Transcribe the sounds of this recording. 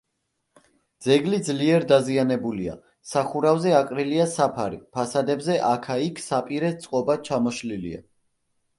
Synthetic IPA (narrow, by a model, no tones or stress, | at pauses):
d̪zɛɡlid̪zliɛɾd̪azianɛbulia̰ | saχuɾavzɛaqʼɾiliasapʰaɾḭpʰasad̪ɛbzɛʔakʰaikʰsapʼiɾɛt̪sʼqʼɔbat͡ʃʰamɔʃlilḭa̰